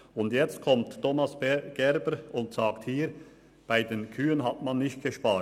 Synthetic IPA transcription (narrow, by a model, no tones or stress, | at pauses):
ʊndjɛt͡st̚kʰɔmttʰɔmɑsɡ̥ɛɾbəɾʊntsɑːkthiːɾ | b̥aɪdeːnkʰyːənɦɑtmɑnːɪçt̚ɡ̥əʃpɑː